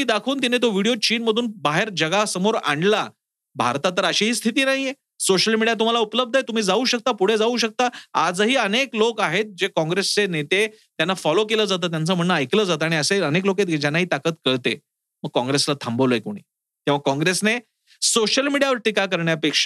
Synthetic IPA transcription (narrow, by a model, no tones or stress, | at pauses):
iːd̪akʰuːnt̪̬inet̪̬oʋiɽijot͡ɕiːnməd̪ʱuːnbaɦeɾd͡ʑəɡasəmoɾa̰ɳɖla | bʱa̰ɾt̪at̪əɾəɕiɦiːst̪ʰit̪iːnaɦije | soɕəlmiɽijat̪̬um̤alaupləb̚d̪ʱəet̪um̤iːd͡zauɕək̚t̪apuɽ̤ed͡zauɕək̚t̪aad͡zɦiːəneklokaɦet̪̚d͡ʑekɔ̃ŋɡɾest͡senet̪e | t̪janːafɔlokeləːd͡zat̪̬ət̪̬jant͡səm̤əɳːəːjkləːd͡zat̪əaɽ̃iəseənekloket̪d͡ʑanːaɦiːt̪akət̪kəɭt̪e | məɡ̚kɔ̃ŋɡɾeslat̪ʰambəʋlojekuɽ̃ḭː | t̪ẽʋ̤akɔ̃ŋɡɾesne | soɕəlmiɽijaʋəɾʈikakəɾɳjapekʂə̥